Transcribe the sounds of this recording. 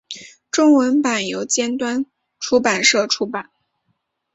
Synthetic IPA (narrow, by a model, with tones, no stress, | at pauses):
ʈ͡ʂʊ˥ŋwə˧˥npa˨˩njo˧˥ʊt͡ɕjɛ˥nt̪wa˥n | ʈ͡ʂʰu˥pa˨˩nʂɤ˥˩ʈ͡ʂʰu˥pa˨˩˦n